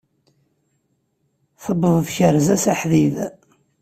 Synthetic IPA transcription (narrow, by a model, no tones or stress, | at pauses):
θəbəðˤfçəɾzæsaħðið